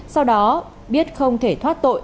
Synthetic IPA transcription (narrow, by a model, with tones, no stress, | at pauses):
sa˧wɗɔ˨˦ | ɓi˦˥ət̚xə˧wŋ͡mt̪ʰe˧˩t̪ʰwaː˦˥t̚t̪o̰˧˨j